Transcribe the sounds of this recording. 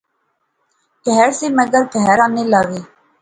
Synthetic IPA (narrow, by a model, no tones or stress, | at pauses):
kɛːɛɾseːməɡəɾp̪ɛːɾaːneːlaːʋeː